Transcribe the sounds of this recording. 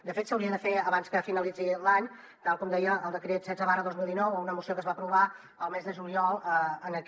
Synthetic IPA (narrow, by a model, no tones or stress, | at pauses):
d̪əfet̪səwɾiəðəfeəβanskəfinəlid͡zilaɲ | t̪alˠkɔmd̪ɛjəːlˠd̪əkɾet̪sɛd͡zzəβarəðozmilˠd̪inɔwəunəmusiokəzβapɾuβa | əlˠmezðəʒuliɔlˠəənək